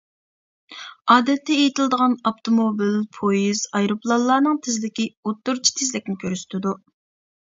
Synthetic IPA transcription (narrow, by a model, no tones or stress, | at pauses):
ɑːd̪ɛt̪ʰːɛejit̪ɪlˠd̪əʁɑnɑpt̪ʰomobilpʰojiz̥ɑjɾuplˠɑlˠːɑːnɨŋt̪ʰɪzlɪkʲiut̪ːuɾt͡ʃʰi̥t̪ʰɪzlɪk̚ʲnɪkʲʰøɾyst̪ʰɪd̪u